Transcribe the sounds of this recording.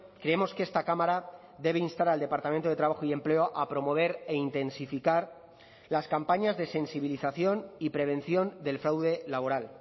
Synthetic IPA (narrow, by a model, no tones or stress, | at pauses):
kɾe̞emo̞skest̪akamaɾa | ðe̞β̞e̞inst̪aɾald̪e̞paɾt̪amẽnt̪o̞ð̞e̞t̪ɾaβaxoie̞mple̞oʔapɾo̞mo̞β̞e̞ɾe̞int̪e̞nsifikaɾ | laskampaɲazðe̞se̞nsiβ̞iliθaθjo̞nipɾe̞β̞e̞nθjo̞nd̪e̞lfɾawðe̞laβo̞ɾal